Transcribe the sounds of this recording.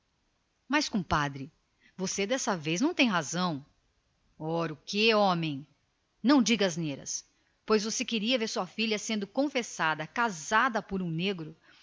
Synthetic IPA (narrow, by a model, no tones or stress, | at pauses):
maskõpad̪ɾɪ | vosed̪ɛsɐvejznɐ̃w̃t̪ẽj̃ɦazɐ̃w̃ | ɔɾʊkeõmẽj̃ | nɐ̃w̃d͡ʒiɡɐɐzneɾɐ̰s | pojzvosekeɾiɐveɾsuɐfiʎɐsẽnd̪ʊkõfesad̪ɐkazad̪ɐpʊɾũneɡɾʊ